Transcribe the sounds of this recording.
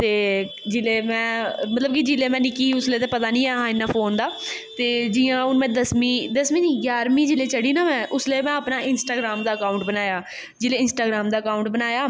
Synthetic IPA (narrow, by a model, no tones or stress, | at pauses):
t̪eː | d͡ʒɪleːmɛ̃ːmət̪ləb̚kid͡ʒɪleːmɛ̃ːnɪkiːʊsleːt̪ẽːpət̪aːnĩːaːɦãːɪnːaːpʰoːnd̪aːt̪eːd͡ʒɪːãːʊnmɛ̃ːd̪əsmiːd̪əsmĩːd͡ʒiɡjaːɾmiːd͡ʒɪleːt͡ʃəɽiːnãːmɛ̃ːʔʊsleːmɛ̃ːəpnaːɪnsʈaːɡɾaːmd̪aːəkaːʊɳʈ̚bənaːjaː | d͡ʒɪleːɪnsʈaːɡɾaːmd̪aːəkaːʊɳʈbənaːjaː